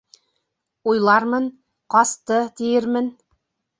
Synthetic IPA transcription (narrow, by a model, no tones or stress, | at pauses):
ujlˠɑɾmɤn | qɑst̪ɤt̪ijɘɾmɘn